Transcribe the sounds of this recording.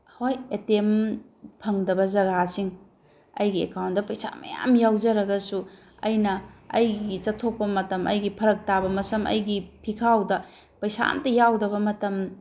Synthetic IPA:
hojetem | pʰɐŋdɐbɐzɐɡasiŋ | ɐ̰jɡiḛkawntdɐpɐjsa̰mɐ̰ja̰mjawd͡ʒɐɾɐɡɐsu | ɐ̰jnɐɐjɡit͡ʃɐtʰːok̚pɐmɐtɐmʔɐ̰jɡipʰɐɾɐk̚tabɐmɐsɐmɐ̰jɡipʰikʰawdɐ | pɐjsa̰ntɐjawdɐβɐmɐtɐm

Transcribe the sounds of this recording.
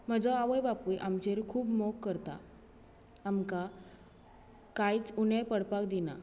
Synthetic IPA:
m̤əd͡zɔaʋəjbapujʔamt͡ɕeɾkʰuːbmokːəɾt̪a̰ː | mka | kajt͡sunəjpəɽpakd̪ina̰

